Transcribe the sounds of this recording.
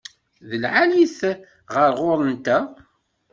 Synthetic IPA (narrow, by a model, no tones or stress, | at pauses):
ðəlʕaliθ | ʁəɾʁʊɾˤənt̪æ